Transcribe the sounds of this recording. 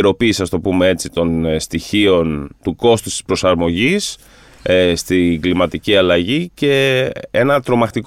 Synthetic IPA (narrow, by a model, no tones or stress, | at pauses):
ɾo̞piːsiɐst̪o̞pumee̞t͡sit̪o̞nst̪içio̞nt̪uko̞st̪u̥st̪i̥spɾo̞sɐɾmo̞ʝis | st̪iŋɡlimɐt̪iciɐlɐʝice̞enɐt̪ɾo̞mɐxt̪ik